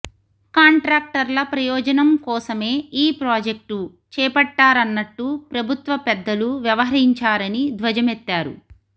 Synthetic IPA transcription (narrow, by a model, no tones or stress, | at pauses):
kaːɳʈɾaːk̚ʈɐɾlɐpɾɐjɔːd͡ʒɐnɐmkɔːsɐme̞ːiːpɾaːd͡ʒek̚ʈu | t͡ʃɛːpɐʈːaːɾɐnːɐʈːupɾɐbʱut̪ʋɐpɛd̪ːɐluʋjɐʋɐɦɐɾiɲt͡ʃaːɾɐnid̪ʋɐd͡ʒɐmet̪ːaːɾṵ